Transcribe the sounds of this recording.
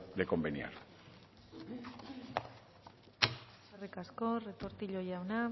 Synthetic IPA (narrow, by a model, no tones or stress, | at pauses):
d̪eko̞mbenia̰ɾ | sarekasko̞re̞t̪o̞ɾt̪iʎo̞jawna